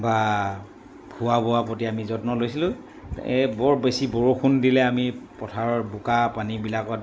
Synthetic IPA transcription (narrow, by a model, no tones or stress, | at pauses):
ba | bʱuwabɔwapotiamizɔtnɔlojsilʊ̃ | ɛbɔɹbesibɔɹokʰundilɛamipɔtʰaɹɔbukapanibilakɔt